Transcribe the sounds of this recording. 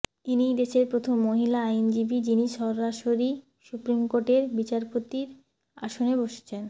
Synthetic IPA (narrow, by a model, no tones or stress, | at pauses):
inid̪eʃeɾpɾot̪ʰomːoɦilaajnd͡ʑibid͡ʑiniʃɔɾːaʃoɾi | ʃupɾimkoɾʈeɾbit͡ɕaɾpot̪iɾ | a̰ʃoneboʃe̥t͡ɕʰen